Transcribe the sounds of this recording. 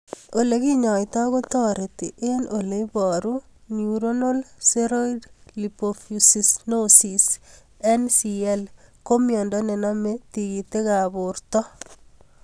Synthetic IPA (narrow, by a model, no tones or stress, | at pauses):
olekiɲɔjt̪ɔɣot̪ɔɾet̪iʔenʔoleibɔɾu | njuɾonolseɾoidlipofusisnosis | ensiɛlkomjɔndɔnenamet̪iɣit̪ekabort̪ɔ